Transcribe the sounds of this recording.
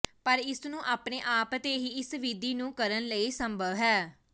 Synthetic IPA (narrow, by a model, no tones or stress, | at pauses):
pəɾɪsnũːʔaːpneːʔaːpət̪eːɦiːɪsʋɪd̪iːnũːkəɾənləiːsəmbʱəʋɦɛː